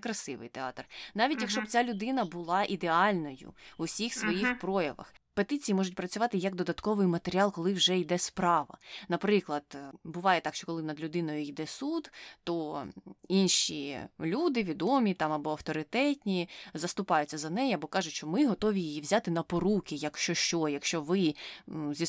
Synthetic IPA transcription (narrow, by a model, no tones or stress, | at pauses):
kɾɐsɪʋɪ̰jt̪eɑ̰t̪rnɑʋʲitʲjɐkʃt͡ʃɔb̚t͡sʲalʲʊd̪ɪnɐbʊlˠɑʔid̪eɑlʲnɔjʊ̰ʊsʲixsʋɔjixpɾɔjɐʋɐ̰x | pet̪ɪt͡sʲijimɔʒʊt̚ʲpɾɐt͡sʲʊʋɑt̪ɪjɐkd̪ɔd̪ɐt̪kɔʋɪjmɐt̪eɾʲɪɑlˠkɔlˠɪwʒɛjd̪ɛspɾɑʋɐ̰nɐpɾɪklˠɐd̪̥bʊʋɑjɛt̪ɑkʃt͡ʃɔkɔlˠɪnɐd̪lʲʊd̪ɪnɔjʊjd̪ɛsud̪t̪ɔ | inʃʲḭlʲud̪ɪʋʲid̪ɔmʲit̪ɑmɐbɔɐwt̪ɔɾɪt̪ɛtʲnʲizɐst̪ʊpɑjʊt͡sʲːɐzɐnɛjɛɐbɔkɑʒʊtʲʃt͡ʃɔmɪɦɔt̪ɔʋʲijiiwzʲat̪ɪnɐpɔɾukʲɪjɐkʃt͡ʃɔʃt͡ʃɔjɐkʃt͡ʃɔʋɪ | zʲi